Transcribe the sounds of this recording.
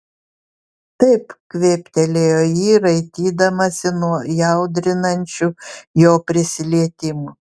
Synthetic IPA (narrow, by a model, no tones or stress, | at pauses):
t̪ɐɪpkʋʲeːpʲt̪ʲɛlʲeːjoːjiːɾɐɪt̪ʲiːd̪ɐmɐsʲɪnuɔjɐʊd̪ʲɾʲɪnɐnʲt͡ʃʲujoːpʲɾʲɪsʲɪlʲiɛt̪ʲɪmu